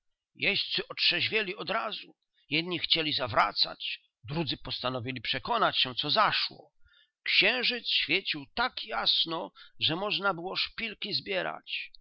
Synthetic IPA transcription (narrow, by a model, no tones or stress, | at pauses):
jɛst̪sɘʔɔtʂɛʑvʲjɛlʲiɔd̪ɾazu | jɛd̪ɲixt͡ɕelʲizavɾa̰t̪sa̰t͡ɕ | d̪ɾud̪zɘpɔst̪anɔvʲilʲipʂɛkɔnat͡ɕɕɛt̪sɔzaʂwɔ̰ | kɕɛ̃w̃ʐɘt̪sɕfʲjet͡ɕiwt̪akjasnɔʐɛmɔʐnabɘwɔʂpʲilkʲizbʲjɛɾa̰t͡ɕ